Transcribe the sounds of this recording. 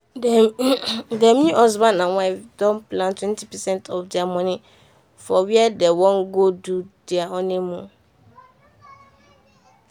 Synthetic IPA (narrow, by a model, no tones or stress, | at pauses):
d | dɛmĩʔɔzbanãwãɪfdɔ̃npʰlãntʰwɛ̃ntʰipʰɛsɛ̃ntʰɔfd͡ʒamɔ̃nɪ̃ | fɔwiɛdɛwɔ̃ŋɡodud̥ɪaɔnɪ̃mũ